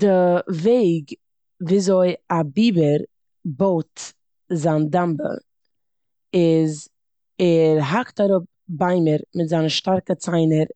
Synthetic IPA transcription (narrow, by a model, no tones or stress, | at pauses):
d̥ɪveɪɡ | viːzoɪabiːbəɾ | boʊt | zaːndambə̰ | ɪz | ɛɾɦaktaɾʊp̚baɪməɾmɪtzanəʃtaɾkət͡saɪnəɾ